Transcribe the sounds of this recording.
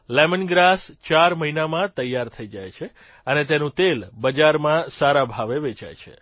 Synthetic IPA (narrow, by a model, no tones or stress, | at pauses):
lɛmənɡɾast͡ʃaɾməɦinamãt̪əjːaɾt̪ʰəid͡ʒajt͡ʃʰe | ənet̪enũt̪elbəd͡ʒaɾmãsaɾabʱaʋeʋet͡ʃa̰jt͡ʃʰḛ